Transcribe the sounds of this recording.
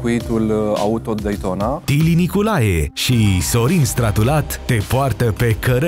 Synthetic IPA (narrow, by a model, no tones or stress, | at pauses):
kuit̪ula̰ut̪ːot̪d̪ejt̪onat̪ilinikulajeʃiso̞ɾinst̪ɾat̪ulat̪ːe̞poart̪əpe̞kəɾə